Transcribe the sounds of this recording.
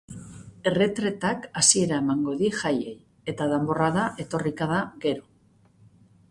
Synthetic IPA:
e̞re̞t̪ɾe̞t̪akasie̞ɾae̞maŋɡo̞ðiʝaje̞j | e̞t̪aðembo̞raðaʔe̞t̪o̞rikaðaɡe̞ɾo̞

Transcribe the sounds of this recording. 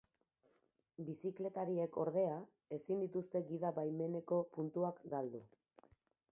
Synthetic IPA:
bisikle̞t̪aɾie̞ko̞ɾðe̞a | e̞sind̪it̪ust̪e̞ɡiðaβajme̞ne̞ko̞punt̪uakɡald̪u

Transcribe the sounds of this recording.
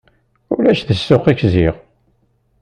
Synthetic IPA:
ʊlæʃθəsːʊχikziʁ

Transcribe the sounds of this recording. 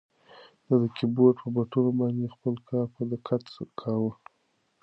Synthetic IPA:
d̪ad̪əkʰɪboʈpəbaʈunobɑnd̪expəlkʰɑɾpəd̪əkʰat̪kʰɑwə

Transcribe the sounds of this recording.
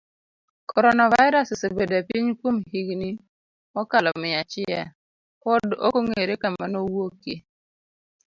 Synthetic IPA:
kʰɔɾɔnavaɪɾassebedɛpiɲkomhiɡni | ɔkalɔmɪat͡ʃɪjɛ̰ | kɔdo̰koŋeɾekamanowokːe

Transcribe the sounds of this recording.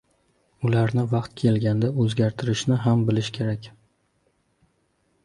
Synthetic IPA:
ʊlaɾnɪvɑqt̪kʲʰe̞lɡʲand̪aɵzɡʲaɾt̪ʰɪɾɪʃnɪɦambɪlɪʃkʲʰe̞ɾakʲ

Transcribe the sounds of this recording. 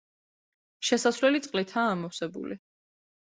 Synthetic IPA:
ʃɛsasvlɛlit̪sʼqʼlit̪ʰaːmɔwsɛbṵli

